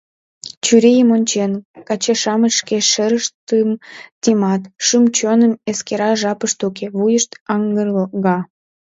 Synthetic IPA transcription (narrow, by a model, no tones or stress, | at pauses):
t͡ɕyɾejəmonʲt͡ɕenkɑt͡ɕeʃɑməʃkeʃeɾəʃt̪əmt̪ʲimɑt̪ʃɨmt͡ɕonəmeskeɾɑʒɑpəʃt̪ukeβujəʃt̪ɑŋɡərɣɑ